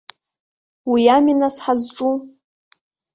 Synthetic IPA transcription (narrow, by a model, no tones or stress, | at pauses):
wijaminasħazʈ͡ʂʼu